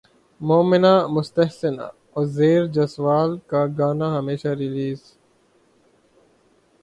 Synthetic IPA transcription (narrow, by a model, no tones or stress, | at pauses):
moːmɪnaːmʊst̪ɐɦsɪna̰ | ɔːzeːɾd͡ʒɐsʋaːlkaɡaːnaɦɐmeːʃaɾɪliːz